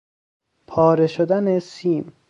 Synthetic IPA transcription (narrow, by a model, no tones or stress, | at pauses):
pʰɒːɾeʃod̪ænesiːn